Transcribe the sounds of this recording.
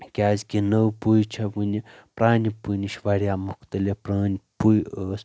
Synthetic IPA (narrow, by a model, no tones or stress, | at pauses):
kʲazʲkʲinəwpujt͡ʃʰabɨnʲipɾanʲipɨjniʃʋaɾiamukt̪əlʲepɾaːnʲpujəs